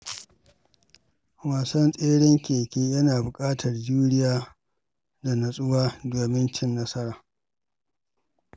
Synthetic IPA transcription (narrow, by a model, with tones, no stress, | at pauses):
waː˨sɐ˦nsʼeː˦ɽɪ˦ŋkʲeː˨kʲeː˦jɐ˦naː˨bʊ˨kʼaː˦tʰɐ˨rd͡ʒuː˦ɽɪ˦jaː˦ | da˨nɐ˨sʼʊ˦waː˦doː˨mɪ˦nt͡ʃɪ˦nːɐ˦sɐ˦ɾaː˨